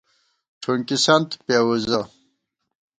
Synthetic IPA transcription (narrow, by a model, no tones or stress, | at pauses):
ʈ͡ʂʰuŋkisant̪pewuza